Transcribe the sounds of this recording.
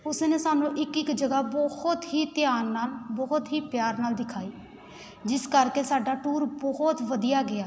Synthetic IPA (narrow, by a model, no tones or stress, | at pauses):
ʊsneːsaːnũːʔɪkɪkd͡ʒəɡaːbɔhʊt̪ɦiːt̪ɪjaːnːaːlbɔɦʊt̪ɦiːpjaːɾnaːld̪ɪkʰaːiː | d͡ʒɪskəɾkeːsaːɖaːʈuːɾbɔɦt̪ʋəd̪ijaːɡɪaː